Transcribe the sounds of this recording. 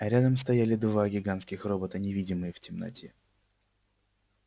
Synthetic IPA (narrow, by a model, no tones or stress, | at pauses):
ɐɾʲad̪əmst̪ɐjalʲɪd̪vaɡʲɪɡanskʲɪxrobət̪ənʲɪvʲidʲɪmɨjəftʲɪmnɐ̰tʲʰe